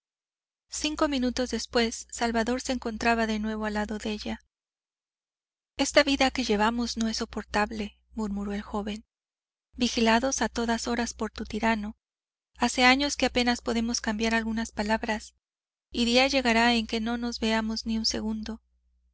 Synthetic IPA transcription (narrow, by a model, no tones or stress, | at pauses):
siŋko̞mĩnut̪o̞zðe̞spwe̞sːalβaðo̞ɾse̞ːŋko̞nt̪ɾaβaðe̞nwe̞β̞o̞alaðo̞ðee̞ʝa | e̞st̪aβiðake̞ʝe̞βamo̞zno̞e̞so̞po̞ɾt̪aβle̞ | muɾmuɾo̞e̞lxo̞βe̞n | bixilaðo̞sat̪o̞ðaso̞ɾaspo̞ɾt̪ut̪iɾano̞ | ase̞aɲo̞skeape̞naspo̞ðe̞mo̞skambjaɾalɣunaspalaβɾas | iðiaʝe̞ɣaɾae̞ŋke̞no̞no̞zβe̞amo̞zniunse̞̰ɣund̪o̞